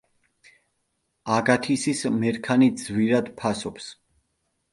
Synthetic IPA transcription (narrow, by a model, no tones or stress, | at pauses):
aɡat̪ʰisismɛɾkʰanid̪zviɾad̪pʰasɔps